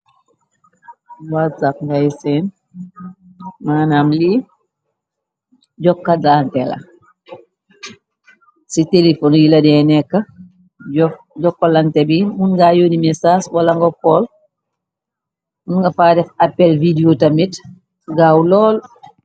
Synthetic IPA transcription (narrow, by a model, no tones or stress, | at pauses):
watsap̚ŋɡajsɛn | maːnamli | ɟɔkːadantɛla̰ | sitelifɔnjilɐdɛnɛkːa | ɟɔkːalantɛbimunɡajonimɛsaːswalaŋɡɔkɔl | munŋɡafaːdɛfapːɛlvidiotamit | ɡawlɔːl